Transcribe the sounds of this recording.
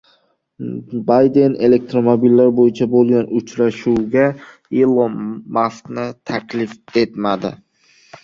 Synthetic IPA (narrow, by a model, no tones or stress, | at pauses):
bajd̪e̞ne̞le̞k̚t̪ɾomobilːaɾbojɪt͡ʃʰabolˠɡʲanʊt͡ʃɾaʃuwɡʲa | elˠomasknɪt̪ʰakʲʰlɪfe̞t̪mad̪ɪ̰